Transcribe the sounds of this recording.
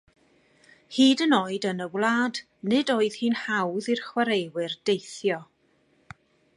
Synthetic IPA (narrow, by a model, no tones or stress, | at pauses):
hiːdənoːɨdənəwlˠaːd | nɪdoːɨð̥hiːnhawðirχwaɾejwɨrd̥ejθjɔ